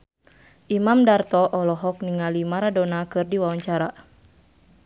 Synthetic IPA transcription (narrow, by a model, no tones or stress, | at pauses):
ʔimamdart̪ɔʔɔlɔɦɔkniŋalimaɾadɔnakɨrdiwawaɲt͡ʃaɾa